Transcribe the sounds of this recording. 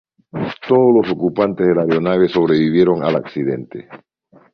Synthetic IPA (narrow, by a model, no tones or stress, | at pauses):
t̪oðozlo̞sokupant̪ezðelaɾjonaβeso̞β̞ɾe̞βiβje̞ɾo̞ŋa̰laksiðe̞nt̪ḛ